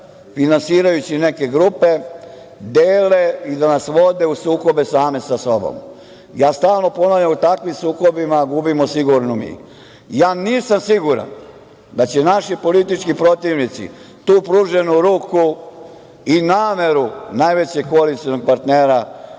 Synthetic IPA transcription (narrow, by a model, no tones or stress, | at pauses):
finansiːɾajut͡ɕine̞ke̞ɡɾupe̞ | d̪eːle̞id̪anasʋo̞d̪e̞usuːko̞be̞saːme̞saso̞bo̰m | jaːst̪aːlˠno̞po̞navʎamut̪akʋimsuːko̞bimaɡubimosiɡuɾnomḭ | jaːniːsamsiɡuɾa̰n | d̪at͡ɕenaʃipo̞lit̪it͡ʃkipɾo̞t̪iʋnit̪sḭ | t̪uːpɾuːʒe̞nuɾuːku | inaːme̞ɾunajʋe̞t͡ɕeɡkoalit̪siono̞ɡ̚paɾt̪neːɾa